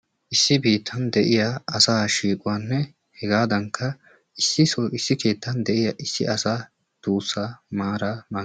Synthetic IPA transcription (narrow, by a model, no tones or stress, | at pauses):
ʔɪsːɪbiːt̪ʰːɐnd̪ɛʔɪjaɐsaːʃiːkʼʊwaːnːɛ | hɛɡaːd̪ɐŋkʰːɐ | ɪsːɪsɔʔɪsːɪke̞ːt̪ʰːɐnd̪ɛʔɪjɐːʔɪsːɪʔɐsaː | d̪̥uːsːaːmaːɾaːmaː